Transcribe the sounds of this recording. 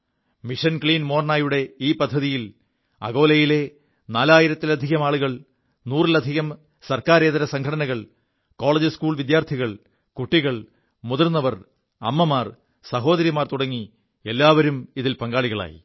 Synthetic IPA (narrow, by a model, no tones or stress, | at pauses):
miʂɐnkɭiːnmo̞ːrnaːjuɽe̞iːpɐd̪ʱːɐðijil | ɐ̰ɣo̞ːlɐjile̞ | naːlaːjiɾɐt̪ːilɐd̪ʱiɣɐmaːɭuɣɐɭ | nuːrilɐd̪ʱiɣɐm | sɐrkaːɾe̞ːðɐɾɐsɐŋkʰɐɽɐnɐɣɐɭ | ko̞ːɭɐd͡ʑɨskuːɭʋid̪jaːrt̪ʰiɣɐɭ | kuʈːiɣɐɭ | muðɐrnɐʋɐr | ɐ̰mːɐmaːr | sɐɦo̞ːd̪ɐɾjimaːrt̪uɽɐŋːi | e̞lːaːʋɐɾumiðilpɐŋɡaːɭiɣɐɭa̰ːjḭ